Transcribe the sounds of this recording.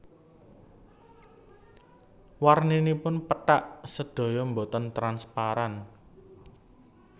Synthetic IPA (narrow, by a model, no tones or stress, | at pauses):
warninipʊnpəʈaʔsəd̥o̤jɔmbot̪ɔnt̪ɾanspaɾan